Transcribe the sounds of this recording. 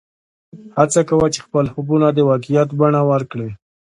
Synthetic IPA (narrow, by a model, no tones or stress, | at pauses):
hat͡sakawat͡ʃe̥xpəlhʊbunad̪əwɑkijat̪baɳawaɾkɽe